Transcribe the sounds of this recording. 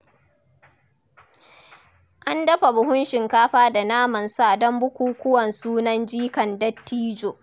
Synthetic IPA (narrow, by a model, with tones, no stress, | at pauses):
ʔa˦ndɐ˦ɸa˨bʊ˨ɦʊ˦nʃɪ˨ŋkaː˦ɸaː˦da˨naː˦mɐ˨nsa˦˨dɔ˦mbʊ˦kʷuː˦kʷʊ˦wɐ˨nsuː˦nɐ˦nd͡ʒiː˦kɐ˨ndɐ˦tːiː˦d͡ʒoː˨